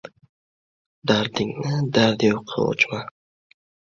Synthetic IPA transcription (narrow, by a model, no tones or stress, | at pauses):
d̪aɾd̪ɪŋnɪd̪aɾd̪ɪjoqʰɑ̰o̰t͡ʃma